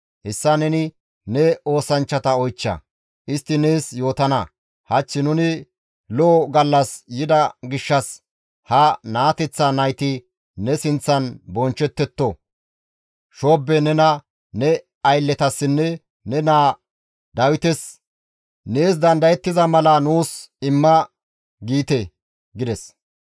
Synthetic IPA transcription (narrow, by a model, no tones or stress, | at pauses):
ʔɛsːɐnɛnɪ | nɛo̞ːsɐnt͡ʃːɐt̪ɐɔjt͡ʃːɐ̰ | ʔɪst̪ːɪne̞ːsjo̞ːt̪ɐnɐ | hɐt͡ʃːɪnʊnɪ | loːɡɐlːɐsjɪd̪ɐɡɪʃːɐs | hɐnaːt̪ɛt͡sːɐnɐjt̪ɪ | nɛsɪnt͡sːɐnbɔnt͡ʃːɛt̪ːɛt̪ːɔ | ʃoːbːɛnɛnɐ | nɛ | ɐjlːɛt̪ɐsːɪnːɛ | nɛnaː | d̪ɐwɪt̪ɛs | neːs̬d̪ɐnd̪ɐjɛt̪ːɪzɐmɐlɐnuːsɪmːɐ | ɡiːt̪ɛ | ɡɪd̪ɛs